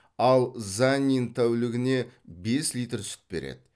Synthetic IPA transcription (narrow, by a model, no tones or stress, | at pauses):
ɑlˠzanʲint̪ʰæwlɪɡʲɪne̞be̞slʲijt̪rsʏ̥t̪̚be̞ɾḛd̪̥ɪ